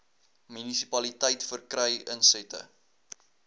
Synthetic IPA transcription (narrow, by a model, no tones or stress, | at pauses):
mynisipɐlitəjtfərkrəjənsɛtə̰